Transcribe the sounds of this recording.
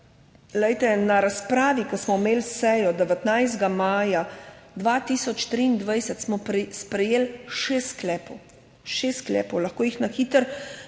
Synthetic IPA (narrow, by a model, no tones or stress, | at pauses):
lɛjt̪ɛnaɾaspɾaːʋikɐsmɔmeːlsɛjɔd̪ɛʋɛt̪najzd̪ɡamaːjad̪ʋaːt̪iːsɔt͡ʃt̪ɾiːnd̪ʋajsɛt̪smɔspɾɛjeːlʃest̪ːklɛːpɔw | ʃeːst̪klɛ̰ːpɔwlɐxkoːjixnaxiːt̪əɾ